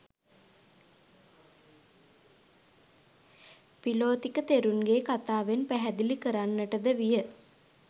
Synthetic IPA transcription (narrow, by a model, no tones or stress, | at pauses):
piloːt̪ikət̪eɾunɡeːkat̪aːʋenpæɦæd̪ilikəɾanːəʈəd̪əʋijə